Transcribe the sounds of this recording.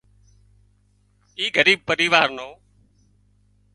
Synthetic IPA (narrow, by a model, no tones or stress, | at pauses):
iːɡəɾiːb̚pəɾiːʋaːɾnoː